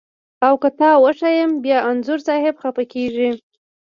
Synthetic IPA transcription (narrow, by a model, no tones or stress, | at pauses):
awkət̪ɑwəʂajəmbjɑanzʊɾsɑhɪbxapakeʐi